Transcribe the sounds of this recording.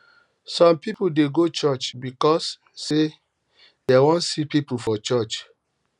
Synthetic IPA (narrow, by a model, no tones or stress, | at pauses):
sɔ̃mpipudeɡot͡ʃɔt͡ʃbikɔsː | e | dewɔ̃nsipipufɔt͡ʃɔt͡ʃ